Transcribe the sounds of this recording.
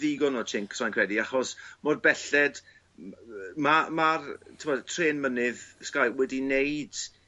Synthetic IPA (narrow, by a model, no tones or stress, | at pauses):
ðɪɡɔnɔt͡ʃʰɪŋksajnkʰwɛdiaχɔsmɔrbɛɬɛd̥ | mamartʰɪmɔdtʰreːnmənɨðskajwɛdinejd̥